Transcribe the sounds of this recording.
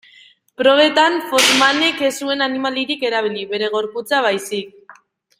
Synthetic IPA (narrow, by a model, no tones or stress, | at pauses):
pɾo̞β̞e̞t̪anfo̞ɾmaneke̞sue̞nanimaliɾike̞ɾaβ̞iliβe̞ɾe̞ɣ̞o̞ɾput͡saβ̞ajsik̚